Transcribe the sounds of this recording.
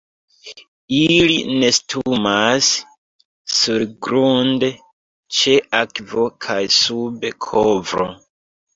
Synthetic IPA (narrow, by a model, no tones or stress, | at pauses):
ilḭne̞stʰumas | suɾɡɾunde | t͡ʃe̞ʔakvo̞kʰajsube̞kʰovɾo̰